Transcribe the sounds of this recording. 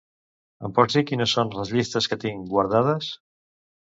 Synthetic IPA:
əmpɔsikinəsːonləzʎist̪əskət̪iŋɡwaɾð̞að̞əs

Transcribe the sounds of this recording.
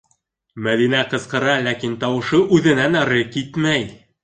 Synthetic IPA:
mæðinæqɤ̆zqɤ̆ɾɑlækint̪ɑwɤ̆ʃɤʔʉðɘ̆nænɑɾɤkit̪mæj

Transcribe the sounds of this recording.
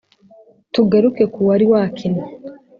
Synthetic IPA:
tuɡaɾukekuwaɾiwaːkʰina

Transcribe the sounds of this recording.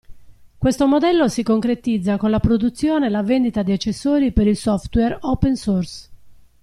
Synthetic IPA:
kwest̪omod̪ɛlːosikoŋkɾet̪id̪zːakonlapɾod̪ut̪sːjoːnelavend̪it̪ad̪iat͡ʃːesːoːɾipeɾilsɔft̪wɛropɛnsɔrs

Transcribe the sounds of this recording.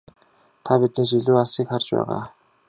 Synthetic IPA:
t̪ʰapit̪niːt͡ɕ̬iɮuːaɮsiːkχart͡ɕpæ̰ːʁa̰ː

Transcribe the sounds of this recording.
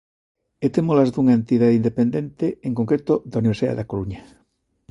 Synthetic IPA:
et̪emolazðuŋaent̪iðaðind̪epend̪ẽnt̪eeŋkoŋkɾet̪oðauniβeɾsiða̰ðeakoɾuɲa

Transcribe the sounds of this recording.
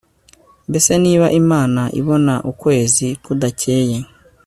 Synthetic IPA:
mbe̞se̞niːβaʔimaːnaʔḭβo̞naʔukwe̞ːzikudacʰe̞ːje

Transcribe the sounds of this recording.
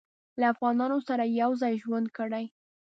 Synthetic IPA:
laːfɣɑnɑnosaɾajawzɑjʒwand̪̚kəɽaj

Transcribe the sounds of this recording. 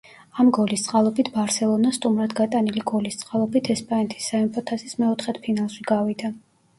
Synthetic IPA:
amɡɔlist̪sʼqʼalˠɔbit̪ʰbaɾsɛlˠɔnast̪ʼumɾad̪ɡat̪ʼaniliɡɔlist̪sʼqʼalˠɔbit̪ʰɛspʼanɛt̪ʰi̥sːaɛmpʰʼɔt̪ʰasismɛɔt̪ʰχɛt̪ʰpʰinalˠʃiɡavid̪a

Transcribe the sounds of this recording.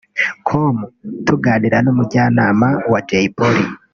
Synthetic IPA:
kʰomutuɡaːniɾanoːmuɟaːnamawad͡ʒeiboɾi

